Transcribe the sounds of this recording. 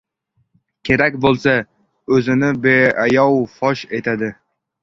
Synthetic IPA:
kʲʰe̞ɾakʲbolˠsa | ɵzɪnɪbeajɒwfɒʃe̞t̪ʰad̪ɪ

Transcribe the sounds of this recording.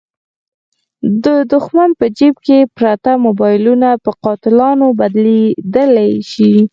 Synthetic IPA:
d̪əd̪ʊxmanpəd͡ʒibkepɾat̪amobɑjɪlunapəqɑt̪ɪlɑnobad̪led̪əlajʃi

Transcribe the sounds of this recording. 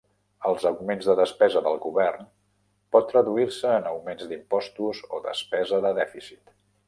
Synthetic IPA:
əlˠzəɣumenzðəðəspɛzəðəlˠɣuβɛrn | pɔt̪ːrəðuiɾsəːnəwmenzd̪impɔst̪uzo̰ðə̰spɛzəðəðɛfisit̪

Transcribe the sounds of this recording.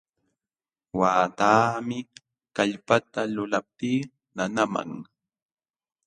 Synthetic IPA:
waːt̪aːmɪ | kaʎpat̪alʊlap̚t̪iː | nanama̰ŋ

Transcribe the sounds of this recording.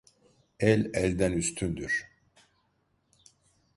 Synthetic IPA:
ɛlʲɛlʲd̪ænyst̪ʰynd̪yɾ̥

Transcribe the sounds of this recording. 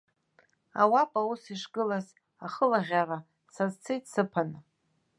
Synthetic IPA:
a̰wapʼawusiʂɡɨlaz | aχəlaʁʲara | sazt͡sʰɨjtʼsɨpʰanɨ

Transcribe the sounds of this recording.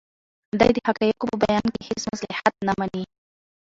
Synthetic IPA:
d̪a̰jd̪əhakajakopəbajɑnkehet͡smaslaħat̪̚namani

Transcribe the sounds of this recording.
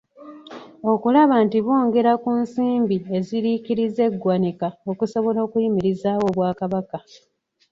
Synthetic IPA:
o̞kulaβantiβoːŋɡe̞ɾakunsiːmbie̞ziɾikiɾize̞ɡːwanikao̞kuso̞βo̞lo̞ːkuimiɾizaːwo̞βwaːkaβaka

